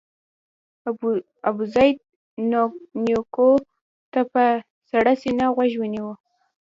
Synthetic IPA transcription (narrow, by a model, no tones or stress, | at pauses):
abuzajd̪̚ | nnjoko | t̪apa | saɽasinaɣwaʒwəniwə